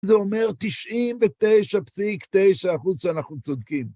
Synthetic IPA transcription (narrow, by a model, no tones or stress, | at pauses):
zeome̞ʁt̪iʃʔimvet̪e̞jʃapsikt̪e̞jʃaːχuzʃeanaχnut͡sod̪kim